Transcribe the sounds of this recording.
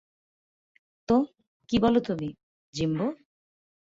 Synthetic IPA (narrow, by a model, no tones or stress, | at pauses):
t̪o | kibɔlot̪ubi | d͡ʑimbo